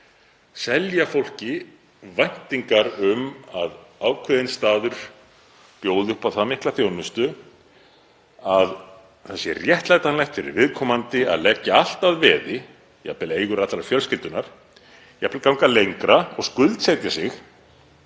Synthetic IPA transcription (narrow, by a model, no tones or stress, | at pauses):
sɛljafowl̥cɪ | vajn̥t̪iŋkaɾʏmaðaːwkʰvɛðɪnst̪aːðʏɾ̥ | pjoːwðɪʏhpawθamɪhklaθjoːwnʏst̪ʏ | að | θɛsjɛrjɛht̪lajt̪anlajxt̪fɪɾɪ̰ɾvɪðkʰɔːmant̪ɪa̰ðlɛcːaal̥t̪aðvɛːðɪ | ja̰pɪleːjɣʏɾat̪lɾaɾfjœlskɪlt̪ʏnaɾ̥ | japɪlkawŋkalejŋkɾaɔɣskʏlt̪sɛt̪jasɪx